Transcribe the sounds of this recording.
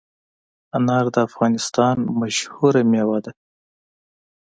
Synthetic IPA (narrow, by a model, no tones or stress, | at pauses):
anɑɾd̪əafɣɑnɪst̪ɑnmaʃhuɾamewɑd̪a